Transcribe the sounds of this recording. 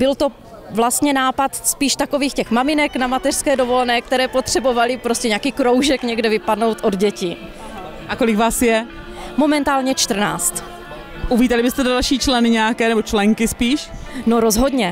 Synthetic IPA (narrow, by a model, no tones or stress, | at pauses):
b̥ɪlt̪o̞ | vlast̪ɲɛnaːpat̪spiːʃt̪ako̞viːxcɛxmamɪnɛknamat̪ɛr̥skɛːdo̞vo̞lɛnɛːk̚t̪ɛɾɛːpo̞t̪r̝̥ɛbo̞valɪpɾo̞scɛɲaːkiːkɾowʒɛkɲɛɡdɛvɪpadno̞wt̪ʔo̞dɟɛcɪ | ʔakolɪkvaːsjɛ | mo̞mɛnt̪aːlɲɛt͡ʃt̪r̩naːt͡st̪ | ʔuviːt̪alɪbɪst̪ɛddalʃiːt͡ʃlɛnɪɲɛakɛːnɛbot͡ʃlɛŋkɪspiːʃnoɾozɦo̞dɲɛ